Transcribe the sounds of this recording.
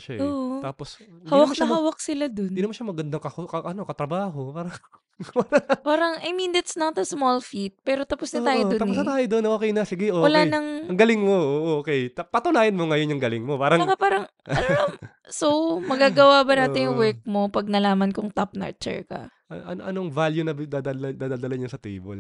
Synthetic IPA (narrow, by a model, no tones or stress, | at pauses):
ʃaʔoːʔt̪aːposhawɐmkɐnɐɦhawɐk̚sɪlad̪oninʊmɐʃɐmɐɡɐnd̪ɐŋkɐhokɐʔɐnokɐt̪ɾɐbaːɦopaːɾɐŋ | paɾɐpaːɾɐŋɐjmind̪ɐt̪snɐt̪ɐsmolfit̪̚pɛːɾot̪ɐposnɐt̪aːjjoonɐp̪ːs̬nɐt̪aːjod̪onʔoːkɛjnɐsɪɡɛʔoːwɐlanɐŋɐŋɡɐlɪŋmoʔoʔokɛjt̪ɐpɐt̪ʊnaːjɐnmoŋɐjonjʊŋɡɐlɪŋmopaːɾɐŋkɐpaːɾɐŋɐn | sowmɐɡaːɡɐwabɐnaːɪnjʊŋwɛɹk̚mo̞pɐɡ̚nɐlaːmɐnkʊŋt̪ap̚nɐ̰t͡ʃɛ̰ɹkɐ̰ʔɐʔɐ̰noʔɐnoŋvaljunɐd̪ad̪ald̪aːd̪aːd̪ɐlɐɲʊsɐt̪ḭːbo̰l